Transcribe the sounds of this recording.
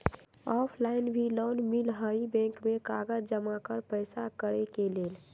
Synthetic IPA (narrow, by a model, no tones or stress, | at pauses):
ɔːpʰlaːɪnbʱiloːnmilɦəibɛ̃ːŋkmẽkaːɡəd͡ʒd͡ʒəmakəɾpəɪsakəɾekeleːl